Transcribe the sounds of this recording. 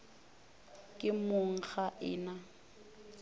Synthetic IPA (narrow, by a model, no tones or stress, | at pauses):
kʼɪmʊŋ̩χaʔɪ̰ːna